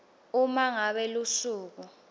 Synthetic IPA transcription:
umaŋaɓɛlusuːk̬u

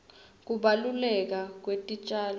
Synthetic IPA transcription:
k̬uɓalulɛk̬ak̬wetʼit͡ʃʼaːl

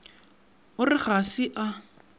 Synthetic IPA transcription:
ʊrɪχasɪʔa

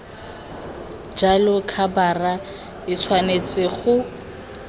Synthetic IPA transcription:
d͡ʒalʊkʰabara | ɪt͡sʰwanet͡sɪχʊ

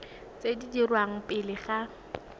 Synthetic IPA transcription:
t͡sedidirwaŋ̩pʼɪlɪχa

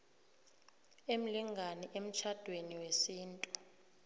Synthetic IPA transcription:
em̩liŋʱanɛʔem̩t͡ʃʰad̥ʱweniwesiːntʼu

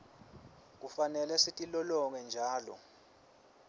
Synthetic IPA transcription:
k̬ufanɛlɛsitʼilɔlɔŋɛnd͡ʒʱaːlɔ̰

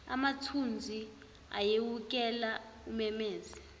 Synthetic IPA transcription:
a̰matʰund͡zʱi | a̰jewuk̬ʼɛlaumɛmeːzɛ

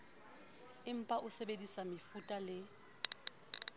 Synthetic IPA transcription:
ɪm̩pʼaʔʊsebedisamɪfutʼalɪ

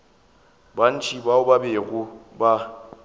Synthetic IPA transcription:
ban̩t͡ʃʰʼibaʊbabeɣʊba

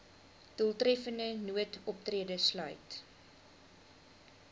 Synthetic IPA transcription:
d̥əlˠtrɛfəndənuətɔptriədəslœ̰ɥt

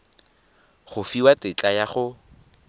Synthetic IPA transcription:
χʊfiwatɪt͡ɬʼajaχʊ

